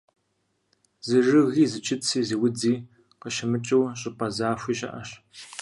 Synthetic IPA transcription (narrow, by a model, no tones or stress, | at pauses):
zɨrɨɣiːzɨt͡ʃʰʼɪt͡sʰiːziwʊd͡ziː | qəʃɪmɨt͡ʃʼɨwɕʼɪpʼɐzaːfʷiːɕʼɐ̰ʔɐɕ